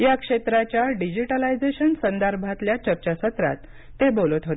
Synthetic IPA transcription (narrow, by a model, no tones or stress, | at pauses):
jakʂet̪ɾat͡ɕjaɖid͡ʑiʈalajd͡zeɕənsənd̪əɾbʱat̪ljat͡ɕəɾt͡ɕasət̪ɾa̰t̪ː | ebolət̪ɦot̪e